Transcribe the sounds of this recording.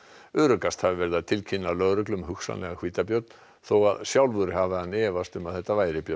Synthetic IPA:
ʏːɾʏkast̪havɪvɛɾðat̪ʰɪlcʰinːalœɣɾʏklʏmɦʏxsa̰nlɛ̰ɣakv̥iːt̪apjœt̪n | θowaðsjawlvʏɾɪɦavɪanːɛːvast̪ʏmaðθɛht̪ːavaːjɾɪpjœ

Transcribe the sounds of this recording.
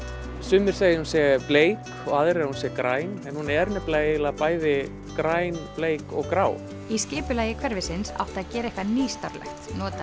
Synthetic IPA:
sʏːmːɪɾ̥seːjɪhunsjɛpleːjk | ɔɣaðɪɾɛɾhunsjɛkɾaːjnɛnhunɛɛɾnɛplaːjɪlapaːjðɪ | kɾaːjnpleːjkɔɣkɾaːw | iscɪːpʏlaːjɪkʰvɛɾvɪsɪnsa̰wht̪aðcɛːɾaɛhkvaniːst̪a̰ɾlɛ̰xt̪nɔːt̪a

